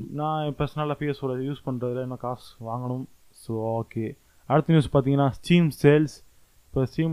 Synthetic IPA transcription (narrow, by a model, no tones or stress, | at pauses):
nãːpɛɾsɐnɐlaːfiːɐsoːɾɐjuːspɐɳːɾɐðɪlɐɪnːõkaːsʋaːŋɡɐɳɯm | soːoːkːeː | ɐɽɯt̪ːɐnjuːspaːɾt̪iːŋɡɐnaːsʈiːmseːls | ɪpːoːsʈiːm